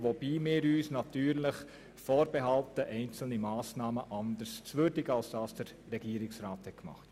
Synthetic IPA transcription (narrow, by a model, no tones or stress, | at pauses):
ʋob̥iːmɪːɾyːsnɑtyːɾləχ | foːɾbɛɦɑltəʔɛɪnt͡sl̩nimɑːsnɑːməʔɑnd̪əɾst͡sʋøɾdɪɡəɑlsd̥ɑːsd̥əɾːɛɡiːəɾɪksɾaːthɛt̚kmɑ̰χt